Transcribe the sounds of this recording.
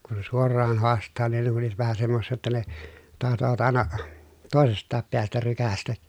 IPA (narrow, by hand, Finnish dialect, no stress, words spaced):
kun̞ sen suorˑɑːn hoɑstˑɑː nin ne kun̞ oliʋ̆ɑ̆t ʋæhæ semːosːiː jotːɑ ne tɑhtoʋɑt ɑˑenɑ toˑesestˑɑːp peæstæ rykæstæ